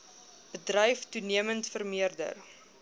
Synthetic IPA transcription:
b̥ədrɛjftuniəməntfərmiərdə̰r

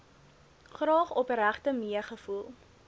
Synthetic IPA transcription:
χɾɑːχɔpəɾæχtəmiəχəfulˠ

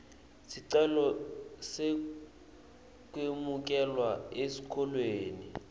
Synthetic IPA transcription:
siǀɛlɔse | kʼwemuk̬ʼɛlwaesi̥kʰɔlweːni

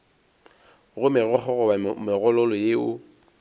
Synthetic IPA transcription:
ɣʊmɪɣɔχɔɣɔmɪɣɔlɔlɔjeʊ

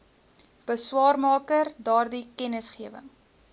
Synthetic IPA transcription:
b̥əswɑːrmɑːkərdɑːrdikɛnəsχiəvə̰ŋ

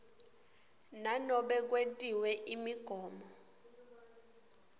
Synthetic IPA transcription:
nanɔɓɛk̬wetʼiwɛʔimiɡ̥ʱɔːmɔ

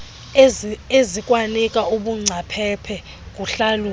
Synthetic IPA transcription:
ezikʼwanikʼauɓuŋ͡ǀʱapʰɛpʰɛ | k̬ʼuɬalu

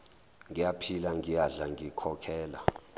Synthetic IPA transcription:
ŋɡijapʰilaŋijaɮaŋɡikʰɔkʰɛːla

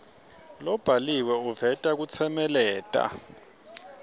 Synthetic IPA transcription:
lɔb̥ʱaliwɛuvɛtʼak̬ut͡sʰɛmɛlɛːtʼa̰

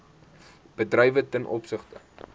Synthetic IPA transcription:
b̥ədrɛjvətɛnʔɔ̰psəχtə

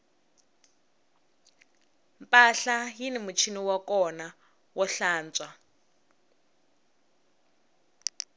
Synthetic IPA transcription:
mpʼaɬajinimut͡ʃʰiniwakɔna | wɔɬaːnt͡sʼwa

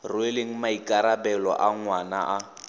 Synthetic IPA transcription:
rʊeleŋ̩maikʼaɾabɛlɔ̰ʔaŋwana̰ʔa

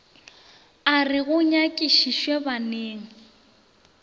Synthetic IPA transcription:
arɪɣʊɲakʼiʃiʃwebaneːŋ̩

